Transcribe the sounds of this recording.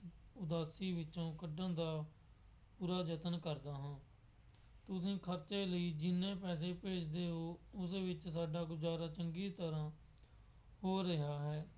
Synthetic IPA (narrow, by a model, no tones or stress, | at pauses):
ʊd̪aːsiːʋɪt͡ʃõːkəɖə̃ːd̪aː | puːɾaːd͡ʒət̪ənkəɾd̪aːɦãː | t̪ʊs̬ĩːkʰəɾt͡ʃeːləiːd͡ʒɪnːẽːpɛːs̬eːpeːd͡ʒd̪eːɦoːʊsʋɪt͡ʃsaːɖaːɡʊd͡ʒaːɾaːt͡ʃəŋɡiːt̪əɾãː | hoːɾɪɦaːɦɛː